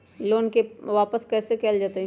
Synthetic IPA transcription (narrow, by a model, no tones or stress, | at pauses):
loːnkeʋaːpəskɛːsekɛːld͡ʒaːt̪aɦɛ̃